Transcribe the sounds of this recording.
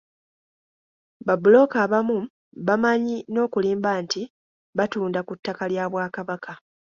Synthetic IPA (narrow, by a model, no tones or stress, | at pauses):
βabulo̞kaːβamu | βamaɲino̞ːkuliːmbanti | βatuːndakutːakaljaːβwaːkaβakʰa